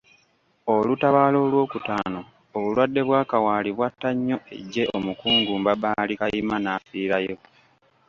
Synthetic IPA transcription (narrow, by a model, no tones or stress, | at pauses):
olutaβaːlo̞ːlwo̞ːkutaːno̞ː | βulwadːe̞βwaːkawaːliβwatːaɲːo̞e̞̰ɟːe̞o̞mukuːŋɡuːmbabaːlikajimanaːfiːɾajo̞